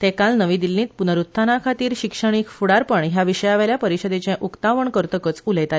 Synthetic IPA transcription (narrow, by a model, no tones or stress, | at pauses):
t̪ekalnəʋĩd̪ilːĩːt̪punəɾut̪ʰːanakʰat̪iːɾɕikʂəɳ̃ikfuɽaɾpəɳɦjaʋiʂəjaʋeljapəɾiɕəd̪et͡ɕẽʔukt̪aʋəɳkəɾt̪əkət͡suləjt̪a